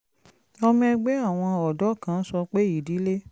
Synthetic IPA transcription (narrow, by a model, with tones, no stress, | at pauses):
ɔ˧mĩ˦˧ɛ˧ɡ͡bɛ˦a˦˨w̃ɔ̃˧ɔ˨dɔ˨˦kã˦˨n̩˦sɔ˧k͡pe˦i˨di˨˦le˦